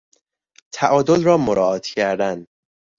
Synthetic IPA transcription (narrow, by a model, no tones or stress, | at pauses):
t̪ʰæʔɒːd̪olrɒːmoɾɒːɒːt̪ʰcʰæɾd̪æn